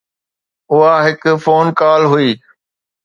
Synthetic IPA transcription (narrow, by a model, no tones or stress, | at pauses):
ʊɦaɦɪkʊfoːnkaːlɦʊiː